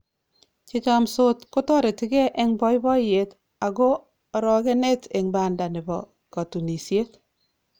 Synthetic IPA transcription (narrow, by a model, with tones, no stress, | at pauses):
t͡ʃɪ˦t͡ʃa˦mso˦tko˦tɔ˦ɾe˨tɪ˦ɡɛ˦ʔɛ˦ŋbɔ˦i˦bɔ˦je˨t | a˨ɡo˦ | ɾɔ˨ɡe˦ne˦te˨ŋba˨nda˨nɪ˨bɔ̰˨ | ka˨tu˨ni˨sje˦t